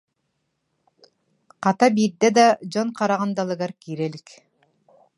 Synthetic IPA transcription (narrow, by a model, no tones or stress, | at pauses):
qɑt̪ɑbiɾd̪ed̪ɑd͡ʒonqɑɾɑʁɑnd̪ɑlˠɯɡɑɾkiːɾelʲik